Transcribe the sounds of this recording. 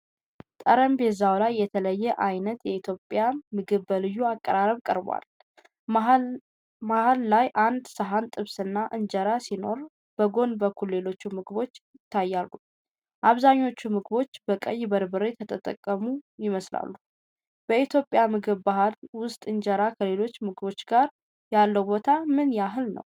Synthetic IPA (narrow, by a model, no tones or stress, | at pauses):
t̪ʼəɾəmbezawlajːɛt̪ʰələjːɛʔajnət̪jɛit̪ʰjo̞pʼːjamɨɡɨβəlɨjːuakʼːəɾaɾəβkʼə̰ɾbwa̰l | mahalːajʔand̪səɦant̪ʼɨβsɨnːaʔɨɲd͡ʒəɾasino̞ɾ | b̥əɡo̞nbəkʰːulːe̞lo̞t͡ʃːumɨɡbo̞t͡ʃːjɪt̪ʰːajːalːu | ʔaβzaɲːo̞t͡ʃːumɨɡɨbo̞t͡ʃːb̥əkʼəjbəɾbɨɾejt̪ʰət̪ʼət̪ʼə̰kʼːəmujɪməsla̰lːu | b̥əit̪ʰjo̞pʼjamɨɡɨβbaɦlwʊst̪ʼɨnd͡ʒəɾakʰəle̞lo̞t͡ʃːmɨɡɨbo̞t͡ʃːɡaɾ | jalːəwbo̞t̪ʰamɨnjaɦɨlnə̰w